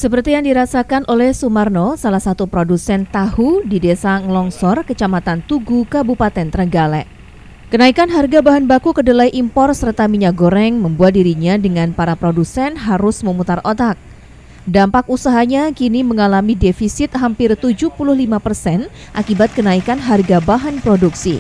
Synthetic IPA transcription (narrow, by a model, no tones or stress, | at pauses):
səpərt̪ijaŋdiɾasakanʔolɛhsumarnosalahsat̪upɾodusɛnt̪ahudidesaŋlɔŋsɔrkət͡ʃamat̪ant̪uɡukabupat̪ɛnt̪ərɡalɛʔ | kənaikanɦarɡabaɦanbakukədəlajʔimpɔrt̪sərt̪amiɲak̚ɡoɾɛŋməmbuat̪̚diɾiɲadəŋanpaɾapɾodusɛnɦaɾʊsməmut̪arʔot̪ak̚ | dampak̚usaɦaɲakiniməŋalamidefisɪt̪̚ɦampɪrt̪ud͡ʒupulʊhlimapərsɛn | ʔakibat̪̚kənaikanɦarɡabaɦanpɾoduksḭ